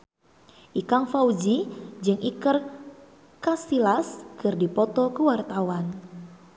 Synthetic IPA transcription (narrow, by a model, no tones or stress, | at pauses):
ʔikaŋfaud͡ʒid͡ʒɨŋʔikər | kasilaskɨrdipɔt̪ɔkəwart̪awan